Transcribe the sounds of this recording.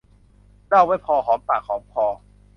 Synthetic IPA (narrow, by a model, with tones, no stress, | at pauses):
da˥˩waː˥˩jpʰɔː˧ɦɔː˩˦mt̪aː˨˩k̚ʰːɔː˩˦˥m̚kʰɔː˧